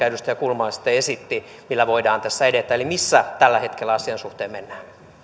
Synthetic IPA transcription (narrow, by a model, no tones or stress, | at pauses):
æydyst̪æjɑkulmɑːsi̥t̪ːˑeesit̪ːi | milːæʋoidɑːnt̪æsːæedet̪ːˑæːelimisːæt̪ælːæhet̪kelːæɑsiɑnsuht̪eːmmenːæː